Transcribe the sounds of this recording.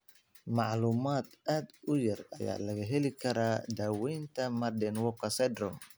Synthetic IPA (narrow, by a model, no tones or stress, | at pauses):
mɑʕluːmaːd̪ʔaːd̪ʊjɐrɐja̰ːlɐɣɐɦɛlɪkʰɐɾaːd̪aːwɛjnt̪ʰɐmɐrdɛnwɔkʰɐsɛd̪ɾɔm